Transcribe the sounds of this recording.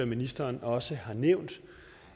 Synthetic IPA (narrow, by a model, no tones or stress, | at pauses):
ɐminisd̥ɐːnɒ̽səhɑ̈neʊ̰nd̥